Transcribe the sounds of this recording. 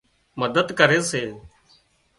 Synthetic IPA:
məd̪əd̪kəɾeːseː

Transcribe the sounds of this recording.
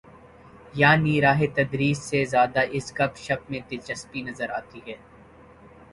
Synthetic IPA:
jaːniɾaːɦet̪ɐd̪ɾiːsːezjaːd̪aʔɪskɐbʃɐp̚mẽt̪et͡ʃɐspinɐzəɾaːt̪iɦɛː

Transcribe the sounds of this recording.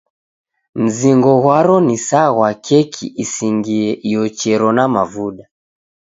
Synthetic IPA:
m̩ziŋɡɔɣwaɾɔnisaɣwakʰɛkʰiʔisiŋɡiɛʔijɔt͡ʃɛɾɔnamavuɗa

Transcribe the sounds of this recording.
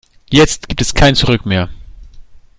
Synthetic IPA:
jɛt͡st̚ɡ̥iːp̚tɛskʰaɪnt͡suʁʏkmeːɐ

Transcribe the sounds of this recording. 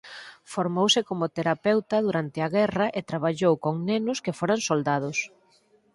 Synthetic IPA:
foɾmowsɪkomʊt̪eɾapɛwt̪ɐðuɾant̪ɪaɣɛrɐʔet̪ɾaβ̞aʎowkoŋnenʊskɪfoɾaŋsold̪að̞ʊs

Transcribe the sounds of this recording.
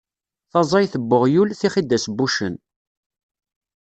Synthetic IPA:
θɑzˤɑjθəbːʊʁjulθiχid̪ːæsbːuʃən

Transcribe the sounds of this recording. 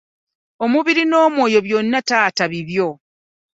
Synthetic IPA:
omuβiɾino̞ːmwo̞ːjo̞βjo̞nːataːtaβiβjo̞

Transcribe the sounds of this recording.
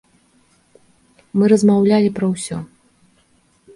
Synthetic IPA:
mɨɾɐzmawlʲalʲipɾɐwsʲɔ̰

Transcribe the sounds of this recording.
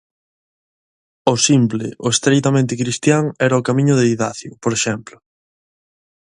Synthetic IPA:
ʊsimplɪ̰ʔʊest̪ɾejt̪amẽnt̪ɪkɾist̪jaŋɛɾɐʊkamĩɲʊðeiðaθjʊpoɾeʃɛmplʊ

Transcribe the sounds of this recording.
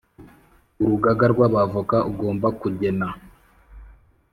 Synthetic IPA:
uɾuɡaɡaɾɡwaβavukauɡo̞ːmbakuɟe̞na

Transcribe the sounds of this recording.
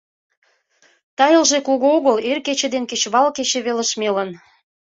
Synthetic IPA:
t̪ɑjə̆lʒekoɣooɣəlerket͡ɕĕd̪enket͡ɕβɑlket͡ɕĕβelə̆ʃmelə̆n

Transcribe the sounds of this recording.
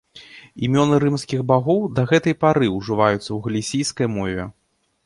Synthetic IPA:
imʲɔnɨɾɨmskʲiɣbaɣɔwd̪ɐɣɛt̪ɐjpaɾɨuʐɨvajut̪sːɐwɣɐlʲisʲijskɐjmɔvʲɛ

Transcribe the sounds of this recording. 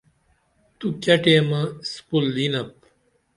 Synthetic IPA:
t̪ukɐʈeːmɐspulːinɐp̚

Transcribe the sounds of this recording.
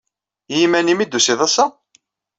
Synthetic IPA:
jimænimid̪ːusiðˤɑsːɑ

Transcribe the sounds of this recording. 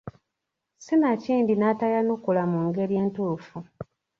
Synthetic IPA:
sinaciːndinatajanukulamuŋɡe̞ɾje̞ːntufu

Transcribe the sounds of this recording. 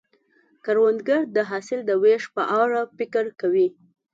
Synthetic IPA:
kaɾwand̪ɡaɾd̪əɦɑsɪld̪əweʃpə̰ʔɑɾafɪkəɾkawi

